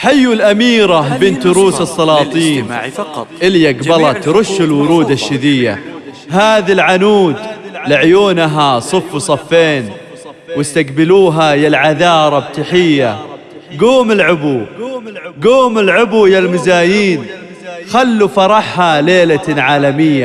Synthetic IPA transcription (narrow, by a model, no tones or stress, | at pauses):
ħajːulʔamiːɾabɪnt̪ːʊɾuːsɨsˤːɑlɑːt̪ˤiːnʔɪljaɡbɑlɑt̪ɾˤʊʃːɪlwʊɾuːd̪aʃːɪðɪjːa̰ | ɦaːðilʕanuːd̪lɪʕjoːnɦasˤɨfːsˤɑfːeːn | wɪst̪aqbɪluːɦajalʕaðɑːɾˤɑbt̪aħɪjːa | ɡuːmɪlʕʊbu | ɡuːmɪlʕʊbujalmɪzaːjiːn | xalːufɑɾˤɑħhaleːlaʕaːlamɪjːa